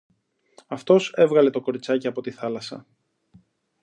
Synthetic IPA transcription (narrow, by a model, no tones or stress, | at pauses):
ɐft̪o̞se̞vɣɐle̞t̪o̞ko̞ɾit͡sɐciɐpo̞t̪iθɐlɐsɐ̰